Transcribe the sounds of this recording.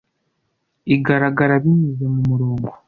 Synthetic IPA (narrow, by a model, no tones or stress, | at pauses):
iɡaɾaɡaɾaβiɲuzemumuɾoːŋɡo